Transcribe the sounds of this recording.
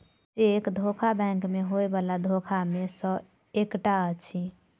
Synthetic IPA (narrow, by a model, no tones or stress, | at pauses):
d͡ʒekd̪ʱokʰabɛ̃ŋkmeɦoebalad̪ʱokʰamesə̃ | ekʈaət͡ʃʰi